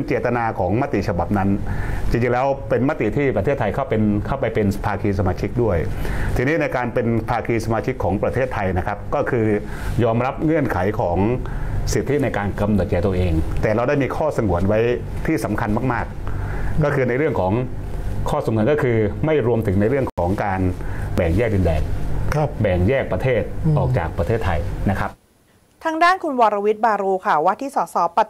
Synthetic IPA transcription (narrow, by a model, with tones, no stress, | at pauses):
nt͡ɕeː˨˩t̪ːa˧naː˧kʰɔː˩˦ŋma˦˥t̪i˨˩t͡ɕʰa˧ba˨˩p̚na˦˥nt͡ɕi˧ŋt͡ɕi˧ŋlɛː˦˥wpe˧nma˦˥t̪ḭ˨˩t̪ʰiː˥˩pɾat̪ʰe˥˩t̪ʰːa˧jkʰa˥˩wpe˧nkʰa˥˩wpa˧jpe˧npʰaː˧kʰiː˧sa˧maː˧t͡ɕʰi˦˥k̚du˥˩əjt̪ʰiː˧niː˦˥na˧jkaː˧npe˧npʰaː˧kʰiː˧sa˧maː˧t͡ɕʰi˦˥kʰːɔː˩˦ŋpɾa˧t̪ʰeː˥˩t̪ʰːa˧jna˦˥kʰa˦˥p̚kɔː˥˩kʰɯː˧ | jɔː˧mɾa˦˥p̚ŋɯ˥˩ənkʰa˩˦jkʰɔː˩˦ŋsi˨˩t̪ʰːi˦˥na˧jkaː˧nka˧mnɯ˨˩t̪̚t͡ɕɛː˨˩t̪u˧əʔeː˧ŋt̪ɛː˨˩ɾa˧wdaː˥˩jmiː˧kʰɔː˥˩sa˧ŋu˩˦ənwa˦˥j | t̪ʰiː˥˩sa˩˦mkʰa˧nmaː˥˩k̚maː˥˩k̚ | kɔː˥˩kʰɯː˧na˧jɾɯ˥˩əŋkʰɔː˩˦ŋ | kʰɔː˥˩so˩˦ŋː˨˩˦nkɔ˥˩kʰɯː˧ma˥˩jɾu˧əmt̪ʰɯ˩˦ŋna˧jɾɯ˥˩əŋkʰɔː˩˦ŋkaː˧nbɛː˨˩ŋjɛː˥˩k̚di˧ndɛː˧n | bɛː˨˩ŋjɛː˥˩k̚pɾa˧t̪ʰeː˥˩t̪̚ʔʔɔː˨˩k̚t͡ɕaː˨˩k̚pɾa˧t̪ʰeː˥˩t̪ʰːa˧jna˦˥kʰɾa˦˥p̚ | t̪ʰaː˦˧ŋdaː˥˩nkʰu˧nwɔː˧ɾa˧wi˦˥t̪̚baː˧ɾuː˧kʰa˥˩wa˦˥t̪ʰːiː˥˩sɔː˩˦sɔː˩˦pa˨˧˩